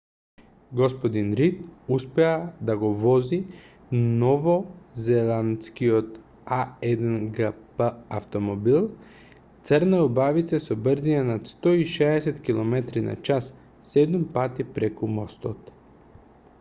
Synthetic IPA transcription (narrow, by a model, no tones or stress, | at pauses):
ɡɔspɔd̪inɾit̪̚uspɛad̪aɡɔvɔzi | nɔvɔzɛlant̪skiot̪ | aɛd̪ɛnɡapəaft̪ɔmɔbilˠ | t̪səɾnɛubavit̪sɛsɔbɾzinanat̪st̪ɔiʃɛːsɛt̪kilˠɔmɛt̪ɾina̰t͡ʃasː | ɛd̪umpat̪ipɾɛkumɔst̪ɔt̪